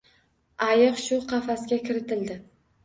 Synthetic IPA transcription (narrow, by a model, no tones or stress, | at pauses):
ajɨqʃʊqʰɑfaskʲakʲʰɪɾɪt̪ʰɪld̪ɪ